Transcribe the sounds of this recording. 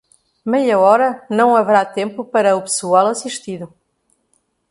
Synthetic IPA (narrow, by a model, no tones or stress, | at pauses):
mɛjɐɔɾɐnɐ̃w̃ɐvɨɾat̪ẽmpupɐɾɐupɨ̥sualˠɐsiʃt̪iðu